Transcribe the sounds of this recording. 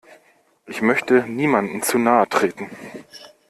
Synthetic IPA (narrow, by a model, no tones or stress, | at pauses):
ʔɪçmœçtəniːmandn̩t͡suːnaːətʁ̥eːtn̩